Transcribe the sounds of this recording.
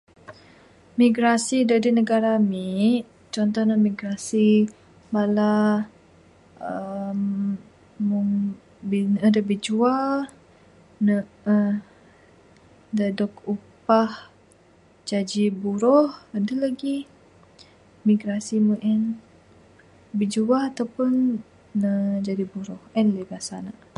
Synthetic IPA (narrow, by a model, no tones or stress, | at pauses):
miɡɾasidadinəɡaɾamiʔ | t͡ʃɔnt̪ɔhnamiɡɾasi | bala | əm | muŋ | binədəbid͡ʒual | nə | ə | dadɔkupah | d͡ʒad͡ʒibuɾɔhədəlaɡi | miɡɾasimuŋʔɛn | bid͡ʒuaat̪awpʊn | əd͡ʒadibuɾɔhɛnlebasana